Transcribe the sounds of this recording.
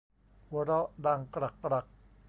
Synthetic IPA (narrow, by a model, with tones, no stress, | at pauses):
wɔ˧˦ɾɔ˦ʔda˧˩ŋkɾa˨˩kːɾa˨k̚